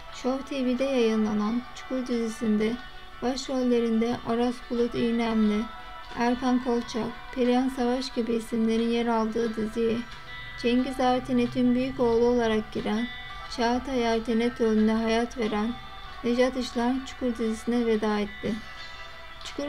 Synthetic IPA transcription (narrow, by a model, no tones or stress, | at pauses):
ʃovt̪ʰevid̪ɛjajɯnlˠanant͡ʃʰu̥kʰuɾd̪izisind̪ɛ | b̥aʃɾolʲlʲe̞ɾind̪ɛʔoɾaskʰulˠut̪ijnæmlʲɪ | æɾkʰankʰo̞lˠt͡ʃʰakpʰeɾʲijansavaʃɟibiːsimlʲe̞ɾinjeɾalˠd̪ɯːd̪ɯzijɛ | t͡ʃʰɛɲɟizaːvt̪ʰinit̪ʰymbyjyco̞ːlˠuo̞lˠaɾak̚ɟiɾæn | t͡ʃʰat̪ʰajaɾt̪ʰenɛt̪ʰølʲynd̪ɛɦajat̪ve̞ɾæn | hed͡ʒat̪ɯʃlˠaɾnt͡ʃʰu̥kʰuɾd̪izisinɛved̪aːɛt̪ʰːɪ | t͡ʃʰu̥ku